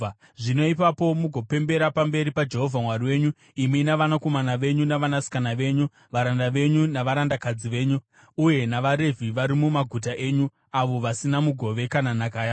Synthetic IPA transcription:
ʐino̞ipapo̞muɡʱo̞pe̞mbe̞ɾapambe̞ɾipad͡ʒe̞ɦo̞vʱamwariwe̞ːɲu | iminaʋanako̞manaʋe̞ɲunaʋanasi̥kanaʋe̞ːɲu | ʋaɾandaʋe̞ɲunaʋaɾandakad͡ziʋe̞ːɲu | uje̞naʋaɾe̞vʱiʋaɾimumaɡʱut̬aʔe̞ːɲu | aʋo̞ʋasinamuɡʱo̞ʋe̞kananakaja

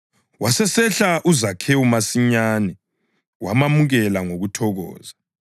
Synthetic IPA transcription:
wasɛsɛɬaʔuzakʰɛumasiɲaːnɛ | wamamuɣɛlaŋoɣutʰɔɣɔ̰ːza

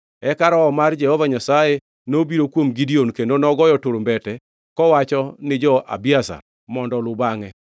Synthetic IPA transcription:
ɛkaɾɔːmard͡ʒɛhovaɲasaje | nobiɾokwomɡidionkendonɔɡɔjɔtʊɾmbɛtɛ | kɔwat͡ʃɔnɪd͡ʒɔʔa̰biasa̰ | mɔndɔlʊbaŋɛ

